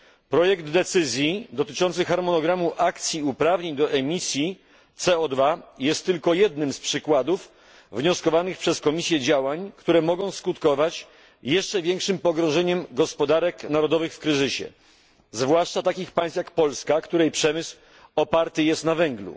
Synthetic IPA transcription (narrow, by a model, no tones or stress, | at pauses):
pɾɔjɛɡd̪ːɛt̪sɘzʲjid̪ɔt̪ɘt͡ʂɔnt̪sɨxaɾmɔnɔɡɾamuʔakt̪sʲjiupɾavɲeɲd̪ɔʔɛmʲisʲji | t̪sɛɔd̪vajɛst̪ːɘlkɔjɛd̪̚nɘmspʂɘkwad̪uf | vɲɔskɔvanɘxpʂɛskɔmʲisʲjɛd͡ʑawaɲkt̪uɾɛmɔɡɔ̃w̃skut̪kɔvat͡ɕ | jɛʂt͡ʂɛvʲjɛŋkʂɘmpɔɡɾɔ̃ʐɛɲɛmɡɔspɔd̪aɾɛknaɾɔd̪ɔvɘxfkɾɘzɘɕɛ̰ | zvwaʂt͡ʂat̪akʲixpaj̃st̪jakpɔlskakt̪uɾɛjpʂɛmɘsw | ɔpaɾt̪ɘjɛst̪navɛŋɡlṵ